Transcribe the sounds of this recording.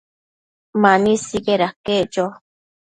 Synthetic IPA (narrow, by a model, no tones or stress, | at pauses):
mãnĩsiɡeɾaked͡ʒo